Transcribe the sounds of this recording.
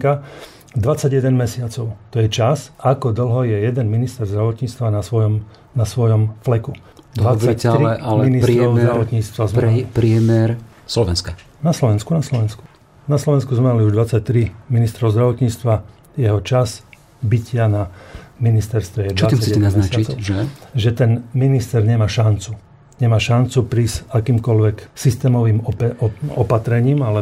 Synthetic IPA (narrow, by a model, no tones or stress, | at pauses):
ka | d̪ʋat͡sːaɟjɛd̪ɛnmɛsɪat͡sɔʊt̪ɔjɛt͡ʃasakɔd̪l̩ɦɔjɛjɛd̪ɛnminist̪ɛɾzd̪ɾaʋɔt̪ɲiːt͡st̪ʋanasʋɔɔm | nasʋɔjɔmflɛku | td̪ʋat͡sːaccɛɾiɛalminisɾɔʊzd̪ɾaʋɔt̪ɲiːt͡st̪ʋazmlipɾɪɛmɛɾ | slɔʋɛ̰nska | naslɔʋɛnskunaslɔʋɛnsku̥ | naslɔʋɛnskuzmɛmaliuʒd̪ʋat͡sːac̚t̪ɾiminist̪ɾɔʊzd̪ɾaʋɔt̪ɲiːt͡st̪ʋa | jɛɦɔt͡ʃaz | bicɪanaminist̪ɛɾst̪ʋɛjɛd̪ɔat͡sasiɛɛnaznat͡ʃaiʒɛʒɛt̪ɛnminist̪ɛɾɲɛmaːʃant͡su | ɲɛmaːʃant͡supɾiːsakiːmkɔlʋɛksist̪ɛːmɔʋiːmpɔpat̪ɾɛɲiːmalɛ